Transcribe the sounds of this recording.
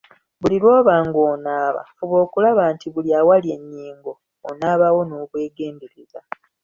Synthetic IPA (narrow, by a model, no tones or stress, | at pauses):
βulilwoːβaːŋɡoːnaːβa̰oβo̞ːkulaβaːntiβuljaːwalje̞ɲːiːŋɡo̞ː | naːβawo̞noːβwe̞ːɡe̞ːndeɾeza